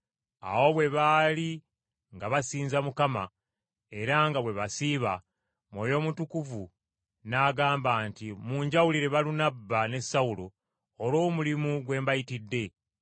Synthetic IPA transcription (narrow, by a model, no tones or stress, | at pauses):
a̰wo̞βwe̞βaːli | ŋɡaβasiːnzamukama̰ | e̞ɾaŋɡaβwe̞βasiβa | mwo̞jo̞ːmutukuvu | naːɡaːmbaːntimuːɲɟawuliɾe̞βalunabːane̞sːawuloː | lo̞ːmulimuɡwe̞ːmbajitidːe̞